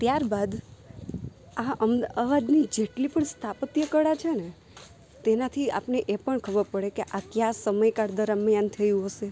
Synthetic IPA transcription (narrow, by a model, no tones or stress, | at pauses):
t̪jaɾbad̪ | aʔəmd̪aʋad̪nid͡ʒeʈlipəɳst̪ʰapət̪jəkəɽat͡ʃʰene | t̪enat̪ʰia̰pneʔepəɳkʰəbəɾpəɽekeʔakjasəməjkaɾd̪əɾəmjant̪ʰəjũɦəʃe